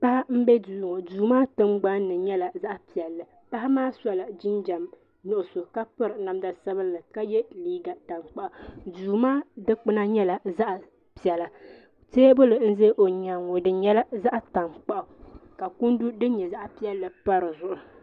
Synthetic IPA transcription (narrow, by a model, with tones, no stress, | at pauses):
pa˦ha˦m̩˦bɛ˦duː˦˨ŋɔ˨duː˨maː˦tɨ˦mɡ͡ba˦nː˦ɨ˨ɲɛ˦la˨za˦ʔpi˨ɛ˨lːɨ˨ | pa˦ɦɪ˦maː˦sa˦la˨d͡ʒɪ˦nd͡ʒa˨m | nʊ˦ʔʊ˨so˨ka˦pɨ˦ɾɨ˨na˨mda˨sa˦bɨ˦lːɨ˨ka˦jɛ˦liː˦ɡa˨ta˨ŋk͡pa˦ʔa˨duː˨maː˦dɨ˦k͡pɨ˦na˦ɲɛ˦la˨za˦ʔa˨ | pi˨ɛ˨la˨ | teː˦bʊ˦lɨ˨n̩˦ze˦ʔo˨ɲa˨ŋo˨dɨ˦ɲɛ˦la˦za˦ʔta˨ŋk͡pa˦ʔʊ˨ka˨ku˦ndu˦dɨ˦ɲɛ˨za˦ʔpi˦ɛ˦lːɨ˨pa˦ɾɨ˨zʊ˦ʔʊ˨